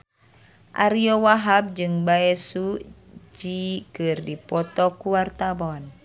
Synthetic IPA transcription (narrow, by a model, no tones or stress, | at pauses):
ʔa̰ɾiowaɦab̚d͡ʒɨŋbaɛsu | d͡ʒikɨrdipɔt̪ɔkuwart̪abɔn